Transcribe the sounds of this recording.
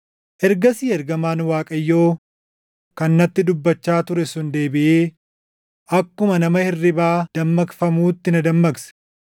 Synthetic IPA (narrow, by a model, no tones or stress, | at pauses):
ʔɛɾɡɐsiːɛɾɡɐmaːnwaːkʼɐjːo̞ː | kɐnːɐt̪ːɪd̪ʊbːɐt͡ʃːaːt̪ʊɾɛsʊnd̪e̞ːbɪʔeː | ʔɐkːʊmɐnɐmɐhɪrːɪbaːd̪̥ɐmːɐɡfɐmuːt̪ːɪnɐd̪ɐmːɐɡsɛ̥